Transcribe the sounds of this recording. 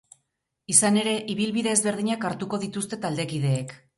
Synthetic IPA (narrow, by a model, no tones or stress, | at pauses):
isane̞ɾe̞ʔiβ̞ilβiðe̞ːzβe̞ɾð̞iɲakaɾt̪uko̞ðit̪ust̪e̞t̪ald̪e̞kið̞e̞ːk